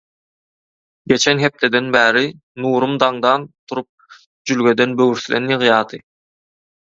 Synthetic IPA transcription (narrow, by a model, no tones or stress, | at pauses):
ɡe̞t͡ʃʰenɦe̞p̚t̪ʰe̞d̪e̞nbæːɾi | nuːɾumd̪ɑŋd̪ɑnt̪ʰuɾup̚ | d͡ʒylɡʲe̞d̪e̞nbøwyɾθlḛnjɯʁjɑːd̪ɯ